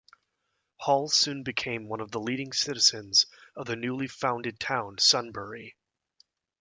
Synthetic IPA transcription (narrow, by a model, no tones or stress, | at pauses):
hɔlˠsʉ̃nbɨkʰẽɪ̃mwʌ̃nʌvðəliɾɪ̃ŋsɪɾɨz̥ɨ̃nzʌvðɨnʉlˠifãʊ̃ndɨd̚tʰãʊ̃nsʌ̃nbə˞i